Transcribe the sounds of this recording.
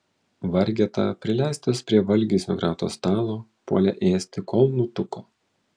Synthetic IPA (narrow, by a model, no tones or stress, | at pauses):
ʋɐɾʲɡʲɛt̪ɑ̰pʲɾʲɪlʲæˑɪsʲt̪ʲɐspʲɾʲiɛʋɐlʲɡʲɪsʲo̰ɡɾɑːt̪o̰ːst̪ɑːlˠoːpṵɔlʲɛʔeːsʲt̪ʲɪkɔlˠnuːt̪ʊkoː